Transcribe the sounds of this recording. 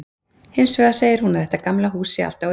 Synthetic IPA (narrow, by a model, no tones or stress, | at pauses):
hɪnsvœːɣaseːjɪɾ̥hunaðɛht̪akamlaɦuːsɪa̰l̥t̪a